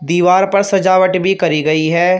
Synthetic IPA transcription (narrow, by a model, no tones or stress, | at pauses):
d̪iːʋaːɾpɐɾsɐd͡ʒaːʋəʈbʱikɐɾiɡɐiɦɛː